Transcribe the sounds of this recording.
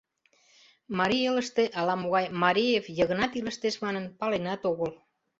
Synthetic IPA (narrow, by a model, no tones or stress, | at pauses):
mɑɾieləʃt̪eʔɑlɑmoɣɑjmɑɾijevjəɣənɑt̪iləʃt̪eʃmɑnənpɑlenɑt̪oɣəl